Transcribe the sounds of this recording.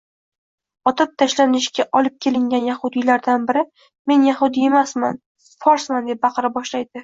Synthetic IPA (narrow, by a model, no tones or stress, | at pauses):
ɒt̪ʰɪp̚t̪ʰaʃlanɪʃkʲaʔɒlˠɪp̚kʲʰe̞lɪŋʲanjahʊd̪ilaɾd̪anbɪɾɪ | me̞njahʊd̪ije̞masman | fɒɾsmand̪ep̚bɑqɨɾabɒʃlajd̪ɪ